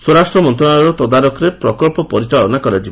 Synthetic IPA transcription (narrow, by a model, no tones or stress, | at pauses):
swɔɾasʈɾɔmɔnt̪ɾɔɭaɾɔt̪ɔd̪aɾɔkʰɔɾepɾɔkɔlpɔpɔɾit͡ʃalɔnakɔɾad͡ʒi